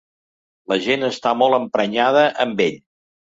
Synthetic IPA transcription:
ləʒenəst̪amɔlˠəmpɾəɲað̞əʔəmbeʎ

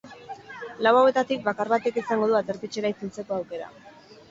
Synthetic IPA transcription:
lawawe̞t̪at̪ik̚bakaɾβat̪e̞kisaŋɡo̞ðuat̪eɾt̪et͡ʃe̞ɾait͡sent͡se̞ko̞awke̞ɾa̰

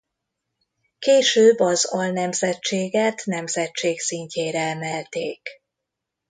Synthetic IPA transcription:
keːʃøːbːɒzɒlnɛmzɛt͡ʃːeːɡɛt̪nɛmzɛt͡ʃeːksiɲceːɾɛɛmɛlt̪eːk

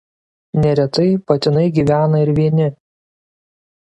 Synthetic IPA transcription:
nʲɛɾʲɛt̪ɐɪpɐt̪ʲɪnɐɪɡʲiːʋʲæːnɐɪɾʋʲiɛnʲɪ

